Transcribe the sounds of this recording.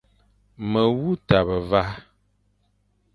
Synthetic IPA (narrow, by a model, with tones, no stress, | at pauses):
mə˨wu˦ta˨bə˨va˦